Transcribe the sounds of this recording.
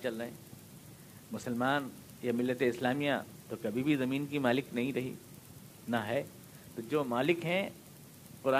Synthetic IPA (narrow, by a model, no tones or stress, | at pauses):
t͡ʃɐlɾɐɦẽː | mʊsəlmaːn | jamɪlːət̪eɪslaːmijã | t̪okɐbʱibʱizɐmiːnkimaːlɪknɐɦĩɾɐɦḭː | naɦɛː | t̪od͡ʒoːmaːlɪkɦɛ̃ | qʊɾaː